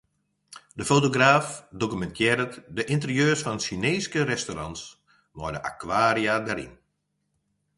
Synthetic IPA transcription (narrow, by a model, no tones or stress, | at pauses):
dəfotoɡraːfdokymɛntʰjɛːɾətdəʔɪntərjøːrsfɔnəsineːskərɛstorɑ̰nts | nɔjdəʔa̰kʋaːɾiadɛɾḭn